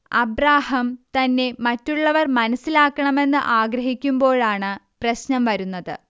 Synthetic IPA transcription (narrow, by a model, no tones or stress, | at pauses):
ɐ̰bɾaːhɐmt̪ɐnːe̞mɐtːuɭːɐʋɐrmɐnɐsːilaːkːɐɳɐme̞nːɨʔaːɡɾɐɦikʲːumbo̞ːɭaːɳɨprɐɕnɐmʋɐɾunːɐðɨ